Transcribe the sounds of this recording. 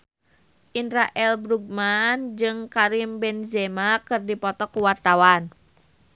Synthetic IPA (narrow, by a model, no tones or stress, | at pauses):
ʔindɾaʔɛlbɾuɡ̚mand͡ʒɨŋkaɾimbɛnzɛmakɨrdipɔt̪ɔkuwart̪awan